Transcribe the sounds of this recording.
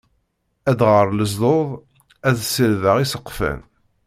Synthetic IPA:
æd̪ʁəɾˤləzðˤoðˤ | æðsəlðəʁisəqːfæ̰n

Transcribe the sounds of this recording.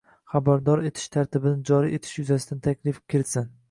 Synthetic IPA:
χabaɾd̪ɒɾe̞t̪ʰɪ̥ʃt̪ʰaɾt̪ɪbɪnɪd͡ʒɒɾiʔe̞t̪ʰɪ̥ʃjʊzasɪd̪ant̪ʰakʲlɪfkʲʰɪɾɪt̪sɪn

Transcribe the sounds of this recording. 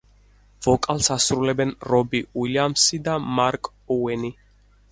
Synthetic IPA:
vɔkʼalsasɾulɛbɛnɾɔbiwiliamsid̪amaɾkʼ | ɔwɛni

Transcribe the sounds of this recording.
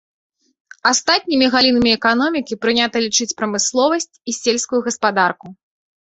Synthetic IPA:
ast̪at̪̚ʲnʲimʲiɣalʲinɐmʲiɛkanɔmʲikʲipɾɨnʲat̪ɐlʲit͡ʂɨt͡sʲpɾɐmɨslˠɔvɐsʲt͡sʲisʲelʲskujuɣɐspad̪arku

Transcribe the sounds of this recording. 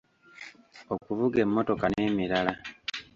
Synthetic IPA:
okuvuɡe̞mːo̞to̞kane̞ːmiɾala

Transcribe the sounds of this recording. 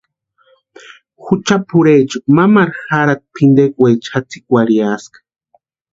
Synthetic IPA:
xut͡ʃapʰuɾet͡ʃamamaɾxaɾat̪̚pʰind̪ekwet͡ʃat͡sikwaɾiaskḁ

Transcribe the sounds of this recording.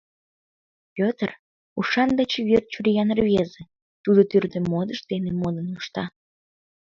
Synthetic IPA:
pʲøt̪ər | uʃɑnd̪et͡ɕeβørt̪̚t͡ɕuɾijɑnərβʲeze | t̪ud̪ot̪yrd̪əmod̪əʃd̪enemod̪ənuʃt̪ɑ

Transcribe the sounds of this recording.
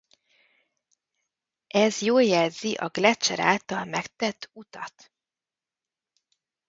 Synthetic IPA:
ʔɛzjoːljɛlziʔɒɡlɛt͡ʃːɛ̰ɾa̰ːlt̪ɒlmɛkt̪ɛt̪ʰːut̪ɒt̪

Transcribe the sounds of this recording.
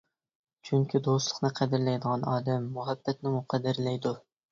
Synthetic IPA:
t͡ʃʰyŋkʲʰid̪oslˠə̥qnɨqʰæd̪ɪɾlɛjd̪ɨʁɑnɑːd̪ɛmːʊɦæbːɛt̪̚nɪmʊqʰæd̪ɪɾlɛjd̪u

